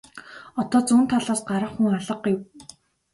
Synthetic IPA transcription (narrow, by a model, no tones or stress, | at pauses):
ɔt̪ɔːt͡suːnt̪ʰaɮaːsɢaɾə̆χxuŋaɮə̆qːew